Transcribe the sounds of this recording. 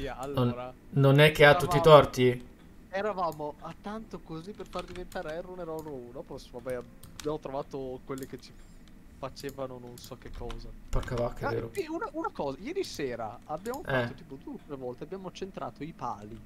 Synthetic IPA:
ialːonɾa | nonɛk̟ːeat̪ːut̪ːit̪ɔrt̪i | eɾavaːmoat̪ːant̪okozipːerfard̪ivent̪aːɾeɛrːonɛɾrounɔpɔsovabɛja | bjaːmot̪ɾovaːt̪okwelːiket͡ʃi | fat͡ʃeːvanononsɔkːekʰːɔːzaparkavakːeeɾopiunaunakɔːzajɛːɾiseːɾa̰abːjaːmofaɛt̪ːoiːpod̪ueot̪ːɾevɔlt̪eabːjaːmot͡ʃent̪ɾa̰ːt̪oipaːli

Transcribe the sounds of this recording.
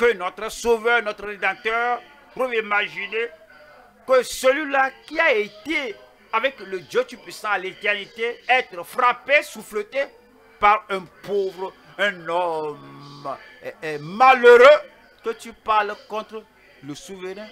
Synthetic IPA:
kənɔt̪ɾəsovɛnɔt̪ɾəɾed̪ãt̪œʁ | tɾuvimaʒine | kəsəlɥilakiaet̪e | avɛkləd͡ʒøt̪ypɥisãalet̪ɛʁnit̪eɛt̪ɾəfɾapesuflet̪e | paɾɛ̃povɾə | ɛ̃nɔm | maløɾø | kət̪ypalkɔ̃t̪ɾə | ləsuvəɾɛ̃

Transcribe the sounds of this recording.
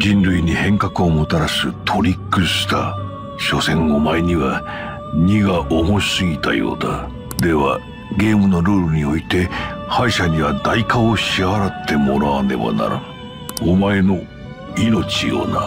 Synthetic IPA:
d͡ʑĩnɾɯ̟iɲ̟ihẽ̞ŋkakɯ̟o̞mo̞t̪aɾasɯt̪ʰo̞ɾʲikːɯɕi̥t̪a | ɕo̞sẽ̞ŋomaeɲ̟iβa | ɲ̟ʲiɡaʔo̞mo̞sɨɡʲit̪a̰jo̞̰ːd̪a | d̪e̞βa̰ | ɡe̞ːmɯ̟no̞ɾoːɾɯ̟ɲ̟io̞it̪e̞haiɕaɲ̟iβad̪aikaoɕiaɾat̪ʰːe̞mo̞ɾaβane̞̰ba̰na̰ɾa | omae̞no̞ | ino̞t͡ɕijo̰ːna

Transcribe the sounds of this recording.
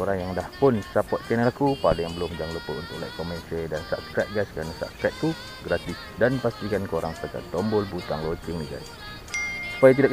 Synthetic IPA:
oɾaŋjaŋdahpʊnsapɔt̪̚kanalakupadajaŋbəlʊmd͡ʒaŋlupəṵnt̪ʊʔ̚la̰jk̚kɔmɛnsəldansa̰pskɾɛt̪̚ɡajskəɾanasa̰pskɾɛt̪̚t̪u | ɡɾat̪isdanpast̪ikankoɾaŋst̪aka̰t̪ɔmbʊlbut̪aŋlot͡ʃiŋniɡa̰js | su̥pajak̬idaʔk

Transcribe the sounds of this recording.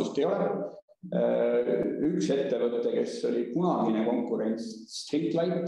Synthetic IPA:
ust̪ejolɛ | ykse̞t̪ːe̞vɤt̪ːˑeke̞so̞lʲikunɑɡ̥ineko̞ŋkːˑuɾe̞nʲst̪rit̪lɑjt̪ː

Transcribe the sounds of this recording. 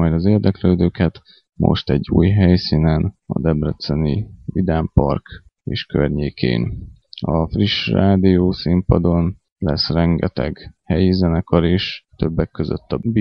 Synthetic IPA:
ɒjd̪ɒzeːrd̪ɛkløːd̪øːkɛt̪ | mo̰ʃt̪ɛɟːṵːjɦɛjsiːnɛnɒ̰d̪ɛbrɛt̪sɛnivid̪aːmpɒ̰rk | eːʃkørɲeːkʰḛːn | ɒfriʃraːd̪ijoːsimpɒd̪o̞n | lɛsrɛŋɡɛt̪ɛ̰ɡhɛjizɛnɛkɒɾeːʃt̪øbːɛkːøzø̰t̪ːɒbi

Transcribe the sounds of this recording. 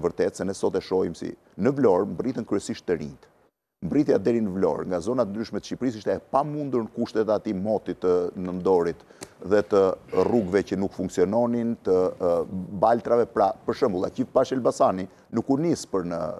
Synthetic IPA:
vəɾt̪ɛt̪sɛnɛsɔt̪ɛʃɔjimsḭ | nəvlɔɾmbrit̪ənkɾyɛsiʃt̪ːəɾḭnt̪ | mbrit̪jad̪ɛɾinəvlɔ̰ɾŋɡazɔnat̪ənd̪ɾyʃmɛt̪əʃcipɾis̬iʃt̪ɛɛpamund̪uɾnkuʃt̪ɛt̪at̪imɔt̪it̪ənənd̪ɔɾit̪ | ðɛt̪əruɡvɛcənukfuŋksiɔnɔnint̪ə | balt̪ɾavɛpɾapəɾʃəmbulˠa̰cipaʃɛlbasani | nukunispəɾnə̰

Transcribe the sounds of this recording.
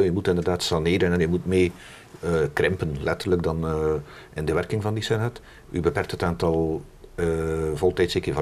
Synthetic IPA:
jəmutɪndərdaːtsɑneːɾənɛnjəmutmeː | krɪmpənlɛtərləkdɑn | ɪndəʋɛrkɪŋvɑndisɛnɛt | ʔy̰bəpɛrk̚thətaːntɑlˠ | volˠtɛjtsekəvɑ

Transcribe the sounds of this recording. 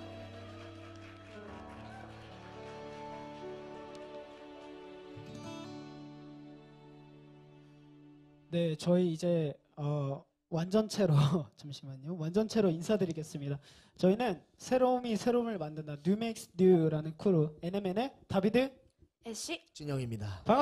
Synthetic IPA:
ne̞t͡ɕʌiːd͡ʑe̞ | ʌ | wand͡ʑʌnt͡ɕʰe̞ɾot͡ɕɯmɕʰimaɲowand͡ʑʌnt͡ɕʰe̞ɾoinsʰadɯɾiɡe̞s͈ɯmɲida | t͡ɕʌinɯn | sʰe̞ɾomisʰe̞ɾomɯɭmandɯndanumek̚snjuɾanɯnkʰuɾueneme̞ne̞tabidɯ | ɕt͡ɕuɲʌŋimɲidapaŋ

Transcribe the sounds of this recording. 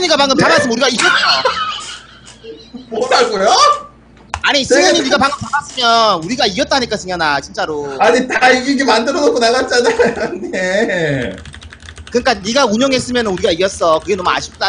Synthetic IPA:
ɯɲiɡapaŋɡɯmtabas͈ɯmjnuɾiɡaiɡʌt͈̚o | moɾaɡojo | aɲisʰiɡɯɲiniɡapaŋɡɯmtabas͈ɯmjʌnuɾiɡaijʌt͈̚aɦaɲik͈asʰɯŋjanat͡ɕint͡ɕ͈aɾoaɲitaiɡiɡemandɯɾʌnokonaɣat̚t͡ɕ͈anajone | kɯɲik͈aniɡauɲʌŋɦe̞s͈ɯmjʌnɯnuɾiɡaiʌs͈ʌkɯɡe̞nʌmua̰ɕʰi̥p̚t͈a

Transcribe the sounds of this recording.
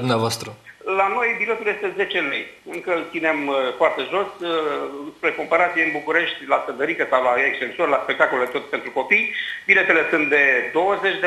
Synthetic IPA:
d̪umneavoast̪ɾulano̞jbile̞t̪uljest̪e̞ze̞t͡ʃe̞lejɨŋkəlt̪sine̞mfoart̪e̞ʒo̞s | spɾe̞ko̞mpaɾat̪sijeɨnbukuɾe̞ʃt̪ʲlasənd̪əɾikəsawlaekst͡ʃe̞nsorlaspek̚t̪akold̪et̪ot̪pent̪ɾuko̞pijbile̞t̪ele̞sɨnt̪̚d̪e̞d̪o̞wəzet͡ʃʲd̪e

